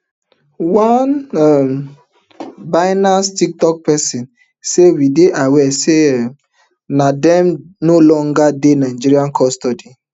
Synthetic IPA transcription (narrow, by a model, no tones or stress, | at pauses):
wanam | baɪnastik̚tɔk̚pɛsĩn | sewideʔawɛsem | nadɛ̃mnolɔ̃ŋɡadenaɪd͡ʒiɾiãnkʰɔstɔdi